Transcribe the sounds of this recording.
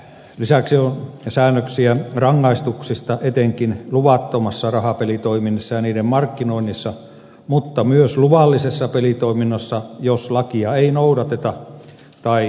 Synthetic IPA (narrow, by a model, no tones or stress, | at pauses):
lisæksionsæːnːøksiærɑŋːɑist̪uksist̪ɑʔet̪eŋkinluʋɑt̪ːomɑsːɑrɑhɑpelit̪oiminːesːɑjɑniːdemmɑrkːinoinːisːɑ | mut̪ːɑmyøsluʋɑlːisesːɑpelit̪oiminːosːɑjoslɑkiɑeinoudɑt̪et̪ɑ | t̪ɑi